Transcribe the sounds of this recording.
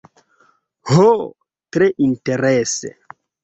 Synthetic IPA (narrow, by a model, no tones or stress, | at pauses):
ho | tɾeʔinteɾesḛ